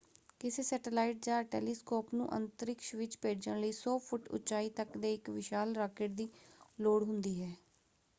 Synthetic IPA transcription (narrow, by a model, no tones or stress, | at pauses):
kɪseːsɛːʈəlaːiʈ̚d͡ʒãːʈɛ̰ːliːskɔːpnṵ̃ːʔə̰nt̪əɾɪkʃʋɪt͡ʃpeːd͡ʒənləiːsɔːpʰʊʈʊ̰t͡ʃaːiːt̪əkd̪eːɪkʋɪʃaːlɾaːkɪʈd̪iːloːɽɦʊnd̪iːɦɛː